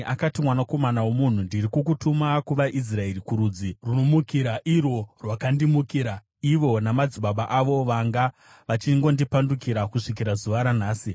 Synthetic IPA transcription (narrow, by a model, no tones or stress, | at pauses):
akatimwanako̞manawomun̤undiɾikuk̬utumakuʋaʔis̬rae̞rikuɾuːd͡ziruno̞mukiɾaʔiro̞rwakandimukiːɾa | iʋo̞namad͡ziɓaɓaʔaʋo̞ʋaŋɡa | ʋat͡ʃiŋɡo̞ndipandukiɾakuʂik̬iɾazuʋaɾan̤aːsi